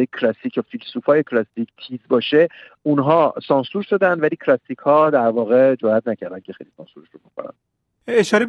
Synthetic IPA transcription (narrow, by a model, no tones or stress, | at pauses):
ecʰlɒsicʰofilsuːfɒːjekʰlɒsicʰt̪ʰiːzbɒːʃe | unɦɒːsɒːnsuɾʃod̪ænd̪væliːcʰlɒsicʰhɒːd̪æɾvɒːɣe̞d͡ʒoæt̪̚næcʰæɾd̪æncʰexḛjlisɒ̰ːnsuɾeʃɾoboxo̰ɾæ̰nd̪ | eʃɒːɾe